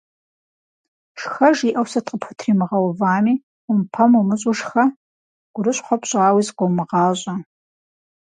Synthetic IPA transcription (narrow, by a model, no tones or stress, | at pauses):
ʂxɐʒiːʔɐwsɐtʼqʼəpʰʊtʰriːmɨʁɐwvaːmiː | ʊmpʰɐmumɨɕʼʊʂxɐ | ɡ̥ʷʊɾɨɕħʷɔpɕʼɑːwiːzqʷowmɨʁɑːɕʼɐ